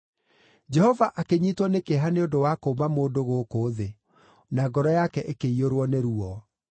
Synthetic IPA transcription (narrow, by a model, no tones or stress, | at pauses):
d͡ʒɛhɔvaʔakeɲitwɔnekeɦaneondowakoːmamoːdoɣoːkoːðe | naɡɔɾɔjakɛʔekeioɾwɔneɾuɔ